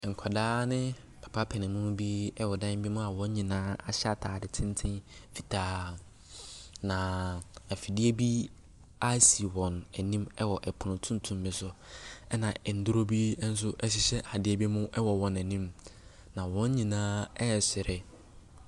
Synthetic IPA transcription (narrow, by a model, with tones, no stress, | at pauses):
ŋ̩˨kʷʰa˨daː˦nɪ̃˦ | pʰḁ˨pʰa˦pʰɛ˨nɪ̃˨mʊ̃˦nʊ̃˦bi˦ɛ˦wɔ˨dã˦bi˦mʊ̃˦a˨wɔ̃˦ɲ˦ɲĩ˨nãː˦a˨ɕa˦tʰaː˨dɪ˨tʰɪ̃˦n˦tʰɪ̃˦fi˨tʰaː˨˦ | nã˨a˨fi˨dɪ˦e˦bi˦ | a˦si˨wɔ̃˨nɛ˨nĩ˦mɛ˦wɔ˨ʔɛ˨pʰʊ˨nʊ̃˨tʰũ˦n˦tʰũ˦mː˦ɪ̃˨sʊ˦ɛ˦nã˨ɛ˨n̩˨dʊ˦ɾo˦bi˦n̩˦s̬ʊ˦ʔɛ˦ɕ̬ɪ˦ɕɛ˦ʔa˨dɪ˦ɛ˦bi˦mʊ̃˦ʔɛ˦wɔ˨wɔ̃˨næ˨nĩ˦m | nã˨wɔ̃˦ɲ˦ɲĩ˨nãː˦ɛ˦˨sɪ˨ɾɪ˨